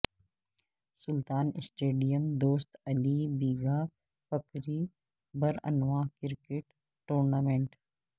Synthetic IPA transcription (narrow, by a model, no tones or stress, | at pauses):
sʊlt̪aːnɪsʈeːɖijəmd̪oːst̪ɐlibiːɡaː | fɐkɾiː | bɐɾɐ̰nʋaːkɪɾkeʈ | ʈːoːɾnaːmẽɳʈ